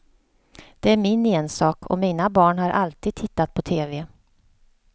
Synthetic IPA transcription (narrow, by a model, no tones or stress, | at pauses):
d̪̥ɛæɾmɪneːnsɑːkʰɔ̰miːnabɑːɳhaɾʔa̰lt̪iːd̪̚t̪ʰɪt̪ːat̪̚pʰɔt̪ʰeːvɛ